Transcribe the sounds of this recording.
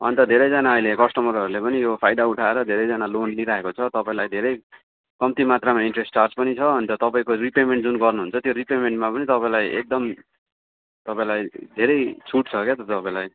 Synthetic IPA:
ɦʌ̰nt̪ʌd̪ʱeɾʌjd͡zanaʌilekʌsʈʌmʌɾʌɾulepʌnijopʰajɖauʈʰaeɾʌd̪ʱeɾʌjd͡zanalonliɾaekot͡sʰʌt̪ʌpaĩlajd̪ʱeɾʌj | kʌmt̪imat̪ramaiɳʈresʈt͡sarspʌnit͡sʰʌʌnt̪ʌt̪ʌpaĩkoripemeɳʈd͡zunɡʌrnuɦunt͡sʰʌt̪joripemeɳʈmapʌnit̪ʌpaĩlajḛk̚d̪ʌm | t̪ʌpaĩlajd̪ʱeɾʌjt͡sʰuʈ̚t͡sʰʌket̪ʌt̪ʌpãĩlaj

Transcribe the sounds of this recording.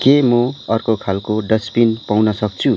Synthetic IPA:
kemʌʌrkokʰalkoɖʌspinpawnʌsʌk̚t͡sʰu

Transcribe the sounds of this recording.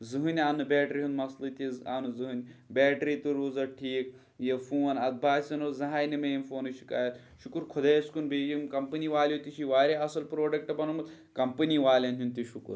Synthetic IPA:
zɨɦɨnʲanːɨbeːʈɾiɦũnmɐslɨt̪iza̰nuzɨɦɨnʲbʲɛːʈɾit̪uɾuːzɐʈʰiːk̚ | jefuːnɐd̪̚bʱaːsʲɐnozɐɦaːjnimejmfoːnɨʃi̥kaːjɐt̪ | ʃukuɾkʰʊd̪ɐjɐskunbʱeːd͡ʒimkɐmpɐniʋaːlʲot̪iʃʰiʋaːɾʲeɐsɐlpɾoːɖɐk̚ʈɐbɐnumɨt̪ | kɐmpɐniʋaːlʲɐnt̪ʰʲunt̪iʃukṵɾ

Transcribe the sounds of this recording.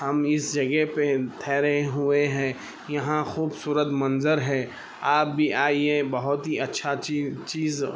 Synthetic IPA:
hɐmɪsd͡ʒɐɡɛɦpet̪ʰɛːɾɐɦeɦʊeɦɛ̃ː | jɐɦãxuːbsuːɾət̪mɐnzəɾɦɛ̃ː | aːp̚bʱiʔaːiebɐɦʊt̪ɦiɐtːʃʰat͡ʃiːz

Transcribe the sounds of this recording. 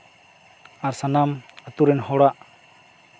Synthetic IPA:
aɾsanamət̪uɾɛnhɔɽaʔ

